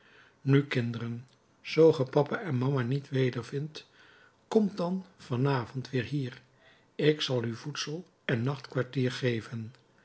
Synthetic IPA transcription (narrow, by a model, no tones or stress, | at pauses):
nykɪndərən | z̥owχəpɑpaʔɛnmɑmanitʋejdəɹvɪnt | kɔmdɑnv̥ɑnaːvɔntʋɪːɹɦiːɹ | ɪksɑlˠyvutsəlˠ | ɛnːɑχtkʋaɹtiːɹχejvən